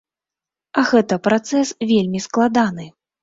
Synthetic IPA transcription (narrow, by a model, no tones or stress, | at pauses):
ɐɣɛt̪ɐpɾat̪sɛsvʲelʲmʲisklˠad̪anɨ